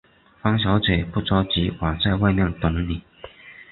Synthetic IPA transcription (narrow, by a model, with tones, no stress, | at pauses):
fɑ˥ŋɕ̬jɑ˧˥ʊt͡swe˨˩ɪpu˥˩t͡sɑ˥ʊt͡ɕi˧˥wa˨˩t͡sa˥˧ɪwa˥˧ɪmjɛ˥˩nt̪ʊ˨˩˦ŋli˨˩˦